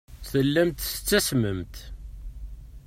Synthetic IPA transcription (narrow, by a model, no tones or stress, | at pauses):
θəlːæmt̪sə̥t͡sːæsməmt̪